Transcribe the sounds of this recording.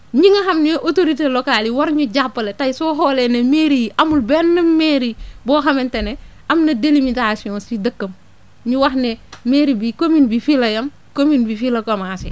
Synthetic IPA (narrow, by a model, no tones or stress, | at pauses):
ɲiŋɐɦɐmneʔotoɾiteːlokaːliwaɾɲuɟapːɐletajsoːɦolenemeːɾijiʔɐmulbenːɐmmeːɾibɔːxɐmentene | ɐmnɐdelimitasiɔ̃nsidɐkːɐm | ɲuwɐxnemeːɾibikominbifilɐjɐm | kominbifilɐkomasi